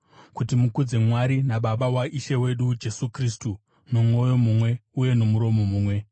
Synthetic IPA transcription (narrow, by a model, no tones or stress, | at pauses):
kutimukud͡ze̞mwaɾinaɓaɓawaʔiʃe̞we̞ɗud͡ʒe̞sukristu | no̞mwo̞jo̞mumwe̞uje̞no̞muɾo̞mo̞muːmwe̞